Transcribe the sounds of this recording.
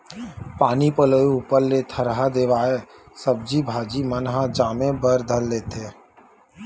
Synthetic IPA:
paːnipəloːiupəɾlet̪ʰəɾɦad̪eːʋaːe | səb̚d͡ʒibʱaːd͡ʒimənɦãd͡ʒaːmẽbəɾd̪ʱəlːeːt̪eː

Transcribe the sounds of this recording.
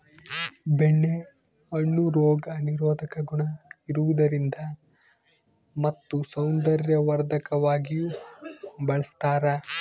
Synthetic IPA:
beɳːe | ɐɳːuɾoːɡɐniɾɔːd̪ʱɐkɐɡuɳɐiɾuʋud̪ɐɾind̪ɐ | mɐt̪ːusɐwnd̪ɐɾjɐʋɐɾd̪ʱɐkɐʋaːɡiju | bɐɭɐst̪aːɾɐ

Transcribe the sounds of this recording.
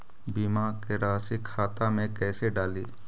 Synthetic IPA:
bimakeɾaːsɪkʰːaːt̪amẽkɛːseɖaːliː

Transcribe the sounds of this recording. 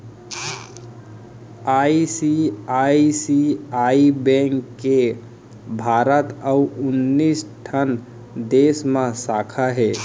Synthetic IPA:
aisiaisiaibɛ̃ŋkːe | bʱaɾət̪əuunːisʈʰən | d̪esmãsakʰaɦe

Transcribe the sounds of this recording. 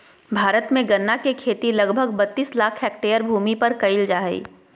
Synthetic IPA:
bʱaːɾət̪mẽɡɐnːakekʰeːt̪ilɐɡbʱəɡbɐt̪ːiːslaːkʰɦɛːk̚ʈeːəɾbʱuːmipɐɾkɐɪld͡ʒaːɦḭː

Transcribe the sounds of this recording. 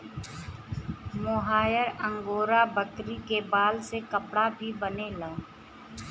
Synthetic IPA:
mʊɦaːjəɾə̃ŋɡoːɾabəkɾikebaːlsekəpɽabʱibənelaː

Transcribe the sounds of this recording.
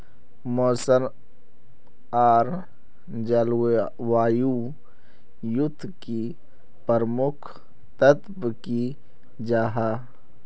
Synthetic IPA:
mɔːsəm | aːɾ | d͡ʒal | waːju | jʊt̪ʰːki | pəɾmʊkʰ | t̪ət̪bki | d͡ʒaːɦaː

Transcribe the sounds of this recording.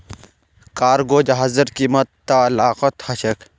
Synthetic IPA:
kaːɾɡoːd͡ʑɦɐzɐɾkimɐt̪ːalaːqɐt̪hɐɕɐk

